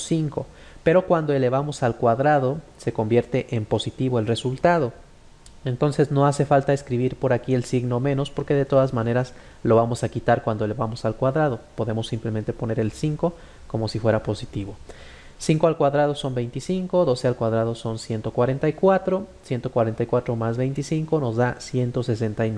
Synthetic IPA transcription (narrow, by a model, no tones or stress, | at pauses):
siŋko̞ | pe̞ɾo̞kwand̪o̞e̞le̞βamo̞salkwaðɾaðo̞se̞ko̞mbje̞ɾt̪e̞ʔempo̞sit̪iβo̞elre̞sult̪að̞o̞ | e̞nt̪o̞nse̞zno̞ase̞falt̪aeskɾiβiɾpo̞ɾakie̞lsiɣno̞mẽ̞no̞spo̞ɾke̞ðe̞t̪o̞ðazmãne̞ɾas | lo̞βamo̞sakit̪aɾkwand̪oe̞leβamo̞salkwaðɾað̞o̞po̞ðe̞mo̞sːimple̞mẽ̞nt̪e̞po̞ne̞ɾe̞lsiŋko̞ | ko̞mo̞sifwe̞ɾapo̞sit̪iβo̞ | siŋko̞alkwaðɾaðo̞so̞mbe̞jnt̪isiŋko̞ðo̞se̞alkwað̞ɾað̞o̞so̞nsje̞nt̪o̞kwaɾe̞nt̪aikwat̪ɾo̞sje̞nt̪o̞kwaɾe̞nt̪ajkwat̪ɾo̞mazβe̞jnt̪isiŋko̞no̞zðasje̞nt̪o̞ses̬e̞nt̪ajn